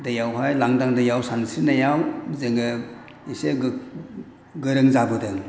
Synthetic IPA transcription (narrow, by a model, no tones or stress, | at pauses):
dajawɦajlaŋdaŋdajawsansinajawzeŋɡɯ | ise | ɡɯɾɯŋzabɯdɯŋ